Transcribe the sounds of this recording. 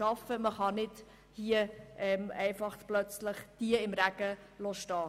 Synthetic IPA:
ɑfəməχɑnɪt | hiəʔɛmɛɪfɑχtplœt͡sləχd̥iəɪmɾæɡə | losʃtɑː

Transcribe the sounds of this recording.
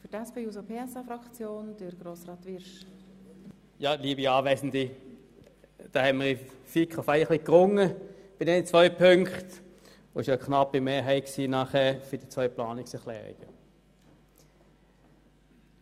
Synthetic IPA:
fytɛspeːjuːsopʰeːɛsɑfɾɑkt͡sjoːnd̥əɾɡɾoːsrɑːt̪ʋɪɾʃ | jɑːliːəbiɑːʋɛsn̩di | d̥ɑːhɛnməʁifikχɔfæɪəχlɪkːʁʊŋːəb̥ɪdɛnt͡svœʏpʰøŋkχt | oːɪʃokχnɑpːimeːɐɦæɪksiːnɑχɛːɐfʏd̥it͡svœʏpʰlɑːnɪksɛʁχlɛ̰ːʁḭɡ̥ə̰

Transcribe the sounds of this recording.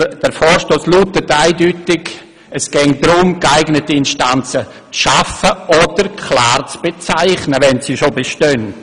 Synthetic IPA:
d̥ɛɾfɔːɾʃtoːslutətːaɪdytɪɡ | ɛsɡ̥ɛŋdɾʊmkaɪɡnətiɪnʃtant͡sə | t͡sʃafəʔɔd̥əɾkʰlaːrt͡sb̥et͡saɪχnəʋɛnsiʃobeʃtœn

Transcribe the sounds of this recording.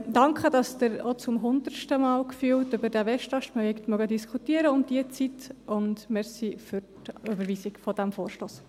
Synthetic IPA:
d̥ɑŋkχədɑsd̥ɪɾot͡sʊmɦʊnd̪əɾʃtəmɑːlkfyːltʏbəɾdɛʋɛʃtɑʃtpʁɔjɛktmœɡədiskʰutiəɾəʊmd̥iət͡sitʊndmɛɾsifʏɾtybəɾviːsiɡ̥fɔd̥æmfoːɾʃtoːs

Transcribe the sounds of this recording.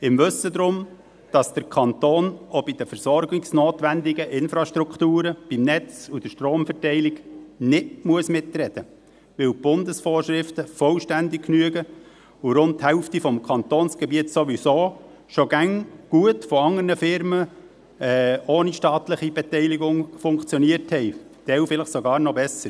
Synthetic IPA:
ɪmʋɵsədɾʊm | d̥ɑsd̥əɾkʰɑnt̪oːnobid̥əfɛɾsɔɾɡɪksnoːt̪ʋændɪɡəʔɪnfɾɑʃtɾukχtuːɾəb̥imnɛt͡sud̥əʃtroːmfɛrtɛɪlɪɡnɪtmuəsmɪtrɛd̥ə | ʋɪwb̥ʊndəsfoːrʃɾɪftəfɔlʃtændɪk̚knyəɡə | ʊɾʊntthɛʊftifɔmkʰɑnt̪oːnsɡ̥ɛbiətsoʋisoː | ʃoɡ̥æŋɡ̥uətfɔɑŋərnəfɪɾmə | ɛoːniʃtɑːtləχibɛtɛɪliɡʊŋfʊŋkt͡sjɔniəthɛɪd̥ɛwfɪləχsɔɡɑːɾnɔbɛsəɾ

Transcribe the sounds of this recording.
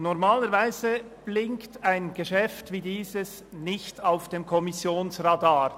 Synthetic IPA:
nɔɾmaːləɾvaɪzə | b̥lɪŋktaɪnɡ̥əʃɛftviːdiːzəs | nɪçtaʊfd̥emkʰɔmɪsjoːnsradaːɾ

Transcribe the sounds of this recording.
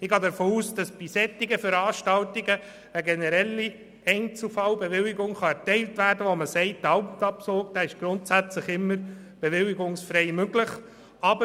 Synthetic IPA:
ɪɡɑːdəɾfoːuːsd̥ɑsb̥isɛt̪ːɪɡəfəɾɑːʃtɑltiɡə | əɡɛnɛɾɛlːi | ɛɪnt͡sl̩fɑwbeʋɪlɪɡʊŋχɑɛɾtɛɪltʋæːɾdəʋɔməsɛɪt̚dɑʊptɑpsoːkd̥æːɪʃɡ̥ɾʊntsæt͡sləχɪmːəɾ | b̥eʋɪlɪɡʊŋsfɾɛɪmøɡ̥ləχ | ɑbə

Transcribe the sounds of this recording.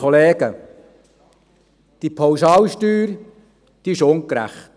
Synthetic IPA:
oleːɡ̥ə | d̪̥ipʰawsɑːwʃtyːɾ | d̪̥iɪʃʊŋkɾæ̰χt

